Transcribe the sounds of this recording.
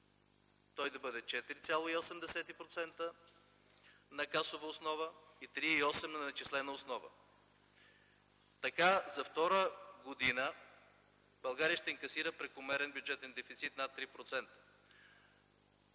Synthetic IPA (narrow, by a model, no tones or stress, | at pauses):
t̪ɔjd̪ɐbɤd̪ɛt͡ʃɛt̪iɾit̪sʲjalˠoiosɛmd̪ɛsɛt̪ipɾot̪sɛnt̪ə | nɐkasovəosnɔvəit̪ɾiiɔsɛmnɐɐt͡ʃislɛnəosnɔvə̰ | t̪ɐkazɐft̪ɔɾəɡod̪inə | bɐlˠɡaɾijəʃt̪ɛiŋkɐsiɾəpɾɛkʊmɛɾɛnbʲjud͡ʒɛt̪ɛnd̪ɛfit̪sit̪nat̪ːɾipɾot̪sɛnt̪ə̥